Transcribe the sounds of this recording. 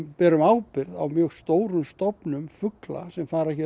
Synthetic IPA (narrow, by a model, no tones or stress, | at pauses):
pɛːɾʏmaːwpɪɾða̰wmjœɣst̪oːwɾʏmst̪ɔpnʏmfʏkla̰sɛmfaːɾɛçɛ